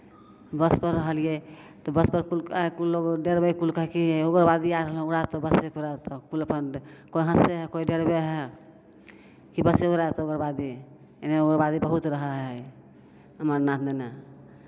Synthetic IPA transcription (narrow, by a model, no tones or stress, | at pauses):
bəspəɾːəɦəlije | t̪ɔbəspəɾkulkulːoɡɖeɽbekulkəɦɛkioɡəɾbad̪iaɾəɦəluɽat̪ɔbəsekuɾat̪ɔkuləpənkoiɦə̃seɦɛkoiɖeɽbeɦɛ | kibəseuɾaet̪ɔoɡəɾbad̪i | eneoɡəɾbad̪ibəɦut̪ɾəɦəɦɛ | ɦəməɾnat̪ʰmena